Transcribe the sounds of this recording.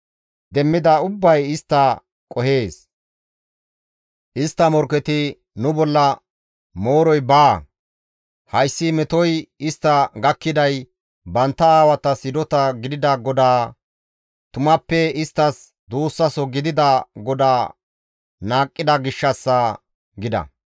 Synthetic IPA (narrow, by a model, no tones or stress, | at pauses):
d̪ɛmːɪd̪ɐʊbːɐjɪst̪ːɐ | kʼɔhe̞ːs | ʔɪst̪ːɐmɔɾkɛt̪ɪ | nʊbɔlːɐ | mo̞ːɾɔjbaː | hɐjsːɪmɛt̪ɔjɪst̪ːɐɡɐkːɪd̪ɐj | bɐnt̪ːɐaːwɐt̪ɐsɪd̪ɔt̪ɐɡɪd̪ɪd̪ɐɡɔd̪aː | t̪ʊmɐpːɛɪst̪ːɐs | d̪uːsːɐsɔɡɪd̪ɪd̪ɐɡɔd̪aː | naːkʼːɪd̪ɐɡɪʃːɐsːɐ | ɡɪd̪ɐ̰